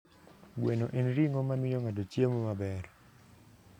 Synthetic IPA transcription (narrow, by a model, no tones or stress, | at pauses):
ɡwenoʔenɾiŋomamɪjoŋadot͡ʃjemomabɛr